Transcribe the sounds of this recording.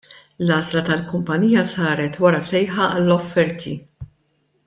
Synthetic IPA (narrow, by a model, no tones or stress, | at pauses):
lɐːzlɐt̪ɐlkʊmpɐniːjɐsɐːɾɛt̪wɐɾɐsɛjħɐɐlːɔfːɛɾt̪ʰḭ